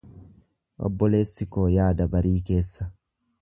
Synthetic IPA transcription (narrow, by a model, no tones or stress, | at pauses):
ʔɔ̰bːɔleːsːɪkoːjaːd̪ɐbɐɾiːkeːsːɐ